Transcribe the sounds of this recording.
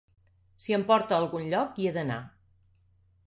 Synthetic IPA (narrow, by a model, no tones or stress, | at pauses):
siəmpɔɾt̪əːlˠɣunʎɔkiəðəna̰